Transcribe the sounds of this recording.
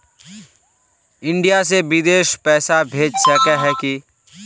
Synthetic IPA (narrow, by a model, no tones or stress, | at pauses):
ɪ̃ɳɖijas̬eʋɪd̪eːʃpɛːsabʱeːd͡ʒsəkɛɦɛki